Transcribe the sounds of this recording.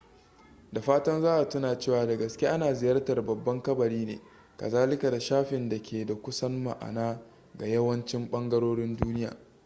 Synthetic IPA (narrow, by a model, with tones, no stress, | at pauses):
da˨ɸaː˦tɐ˦nzaː˦ʔa˨tʊ˦naː˨t͡ʃeː˦˨waː˨da˨ɡɐ˨skʲe˦ʔa˦naː˨zɪ˨jɐ˦rtɐ˨rbɐ˨bːɐ˦ŋkɐ˦bɐ˨ɽiː˦nḛː˨ | kɐ̰˨zaː˦lɪ˦ka˨da˨ʃaː˦ɸɪ˨nda˨kʲʰeː˨da˨kʷʊ˦sɐ˦nma̰˨ʔa̰˨naː˦ | ɡa˨jɐ˦wɐ˦nt͡ʃɪ˦mɓɐ˦ŋɡɐ˦ɽoː˦ɽɪ˦nduː˦nɪ˦ja̰ː˨